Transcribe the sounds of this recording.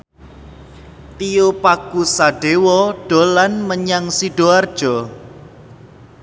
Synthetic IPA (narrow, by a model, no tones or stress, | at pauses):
t̪iopakusaɖ̥ewɔɖ̥o̤lanməɲaŋsiɖ̥oard̥ʒ̥ɔ